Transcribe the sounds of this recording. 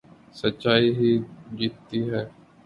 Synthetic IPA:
sətːʃaːiːɦiːd͡ʒiːt̪ːiːɦɛː

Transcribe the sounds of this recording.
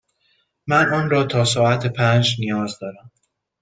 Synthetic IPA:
mænɒːnɾɒːt̪ʰɒːsɒːæt̪ʰepʰænd͡ʒnijɒːzd̪ɒːɾæm

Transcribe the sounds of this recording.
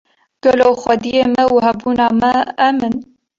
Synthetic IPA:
ɡ̥ɛloːxʷɛd̪ijeːmɛuhɛbuːnɑːmɛːmɨn

